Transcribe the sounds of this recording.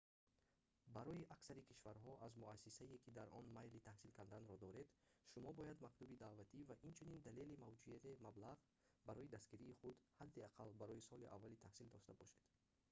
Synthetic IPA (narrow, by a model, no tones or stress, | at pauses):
baɾɔjiʔaksaɾikʰiʃvaɾɦɔʔazmuasːisaekʰid̪aɾʔɔ̰nmajlit̪ʰahsilkʰand̪anɾɔd̪ɔɾe̞d̪ʃumɔbɔjad̪maqlubid̪avat̪ʰivaʔint͡ʃʰunind̪ale̞limavd͡ʒujat̪ʰe̞mablaʁ | baɾɔjid̪asɡiɾiːχud̪had̪ːiaqʰalbaɾɔjisɔliʔa̰vːalit̪ʰahsild̪ɔʃt̪abɔʃed̪̥